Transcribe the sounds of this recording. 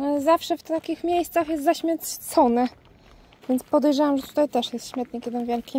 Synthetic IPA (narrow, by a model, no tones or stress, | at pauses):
zafʂɛft̪akʲixmʲjejst̪saxjɛst̪zaɕmʲɛt̪t̪sɔnɛ | vʲjɛntspɔd̪ɛjʐawamʐɛt̪u̥t̪ajt̪ɛʂjɛst̪ɕmʲɛt̪ɲɛkʲɛd̪ɛmvʲjɛlkʲi